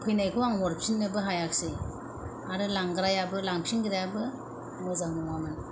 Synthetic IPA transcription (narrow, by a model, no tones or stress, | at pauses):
pʰɯjnajkʰɯwaŋɔɾpʰinːɯbɯɦajak̚se | aɾɯlaŋɡɾajabɯlaŋpʰiŋɡiɾajabɯ | ŋɔzaŋnɔŋamɯn